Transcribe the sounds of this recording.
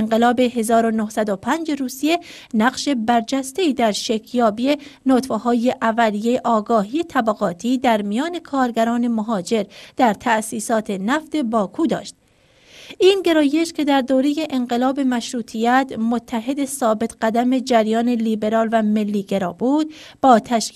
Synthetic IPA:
eŋɢelɒːbe̞ɦe̞zɒːɾo̞nohsæd̪opʰænd͡ʒe̞ɾuːsije̞næɢʃe̞bæɾd͡ʒæst̪e̞iːd̪æɾʃekʰjɒːbijenot̪feɦɒːje̞ʔævælije̞ʔɒːɡɒːɦiːet̪ʰæbæɣɒːt̪ʰiːd̪æɾmijɒːne̞kʰɒːɾɡæɾɒːne̞moɦɒːd͡ʒe̞ɾd̪̥æɾt̪ʰæsiːsɒːt̪ʰe̞næft̪e̞bɒːkʰuːd̪ɒ̰ːʃt̪̚ | ʔiːnɟe̞ɾɒːje̞ʃcʰʲe̞d̪æɾd̪oːɾe̞je̞ʔenɢe̞lɒːbe̞mæʃɾuːt̪ʰijæt̪ʰmot̪ʰːæɦe̞d̪e̞sɒːbe̞t̪ʰɢæd̪æme̞d͡ʒæɾjɒːne̞liːbe̞ɾɒːlvæme̞lːiːɡe̞ɾɒːbuːd̪̚b̥ɒːt̪ʰæʃ

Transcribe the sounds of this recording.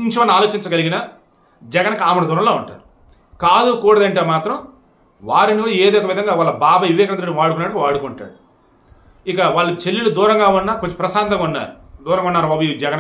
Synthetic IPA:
ɲt͡ʃiʋɐnːaːloːt͡ʃiɲt͡ʃɐɡɐliɡinɐ | d͡ʒɛɡɐnɐkaːmɐɽɐd̪uːɾɐmloːuɳʈa̰ːɾu | kaːd̪ukuːɽɐd̪ɐɳʈe̞ːmaːt̪ɾɐm | ʋaːɾinikuːɽɐeːd̪ojɔkɐʋid̪ʱɐŋɡaːʋaːɭːɐbaːbɐʋiʋɛːkɐnɐnɐɽʋaːɽukunaːɽkʋaːɽukuɳʈa̰ːɽu | ikɐʋaːɭːɐt͡ʃelːilud̪uːɾɐŋɡaːunːaːkot͡ʃːi̥pɾɐsaːnt̪ɐŋunːa̰ːɾud̪uːɾɐŋɡɐunːaːɾuɐbud͡ʒɛɡɐn

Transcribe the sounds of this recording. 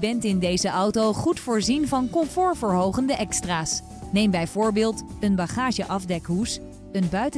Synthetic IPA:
bɛntɪndejzəʔɑwtowχutfʊːɹzinvɑnkɔmfʊːɹvəɹɦowχəndəʔɛkstraːs | nejmbɛjv̥ʊːɹbɪːlˠtənbɑχaːʒəʔɑvdɛkɦus | ənbœɥt

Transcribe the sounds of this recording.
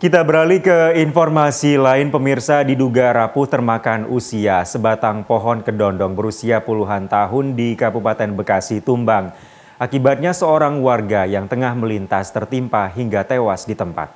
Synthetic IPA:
kit̪abəɾalikəinfɔrmasilaɪnpəmirsadiduɡaɾapʊht̪ərmakanusiasəbat̪aŋpɔɦɔnkədɔndɔŋbəɾusiapuluɦant̪aɦʊndikabupat̪ɛnbəkasit̪umbaŋ | ʔakibat̪̚ɲasəoɾaŋwarɡajaŋt̪əŋahməlint̪ast̪ərt̪impaɦiŋɡat̪ewasdit̪əmpa̰t̪̚

